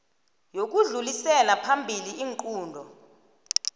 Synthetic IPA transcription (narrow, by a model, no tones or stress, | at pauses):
jok̬uɮulisɛlapʰambʱiliiːŋǃʼuːndʱɔ